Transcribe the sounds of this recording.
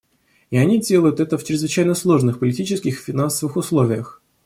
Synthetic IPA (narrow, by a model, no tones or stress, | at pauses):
ɪɐnʲidʲelˠəjʊt̪ɛt̪əft͡ɕɾʲɪzvɨt͡ɕæjnəslˠo̞ʐnɨxpəlʲɪtʲit͡ɕɪskʲɪxfʲɪnansəvɨxʊslˠovʲɪjəx